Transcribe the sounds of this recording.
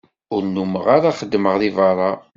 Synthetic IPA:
ʊɾnuməʁaɾaχəd̪ːməʁðivɑɾˤɑ

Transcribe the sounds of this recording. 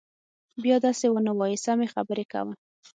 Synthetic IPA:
bjɑd̪ɑsewənawɑjɪsamexabəɾeka̰wəm

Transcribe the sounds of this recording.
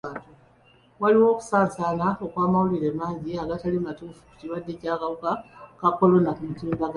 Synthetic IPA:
atu | waliwo̞ːku̥saːnsaːnao̞kwaːmawuliɾemaːɲɟiaɡatalimatuːfu̥ku̥ciwadːe̞caːkaβukakakːo̞lo̞nakumituːndaɡ

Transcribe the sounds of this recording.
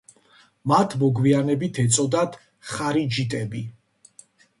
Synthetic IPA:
mat̪ʰmɔɡwianɛbit̪ʰɛt̪sʼɔd̪at̪ | χaɾid͡ʒit̪ʼɛbi

